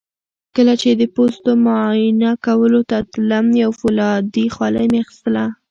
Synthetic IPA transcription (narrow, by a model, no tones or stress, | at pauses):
kəlat͡ʃed̪əpost̪omojɪnakawəlot̪at̪lamjawfolɑd̪ixwɑlajmeaxɪ̥st̪əla